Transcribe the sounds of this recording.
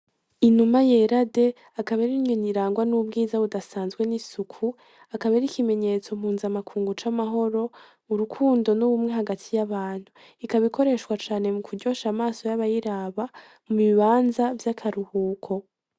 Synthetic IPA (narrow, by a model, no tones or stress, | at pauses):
inumaje̞ɾade̞ | akaβaɾiɲoniɾaːŋɡwanub̚ɡiːzaβudasaːnzɡwe̞nisukʰu | akaβaɾikime̞ɲe̞t͡so̞m̥huːzamakʰuːŋɡut͡ʃamaɦo̞ɾo̞ | uɾukʰuːndo̞nuβumŋe̞ɦaɡatʰijaβaːn̥hu | ikaβikʰo̞ɾe̞ʃwat͡ʃaːne̞mukuɾɟo̞ʃamaːso̞jaβajiɾaβa | muβiβaːnzavjakʰaɾuhuːkʰo̞